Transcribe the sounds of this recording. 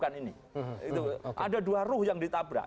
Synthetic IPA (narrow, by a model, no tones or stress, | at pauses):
kanini | it̪uʔa̰da̤duarʊhjaŋdit̪abɾa̰ʔ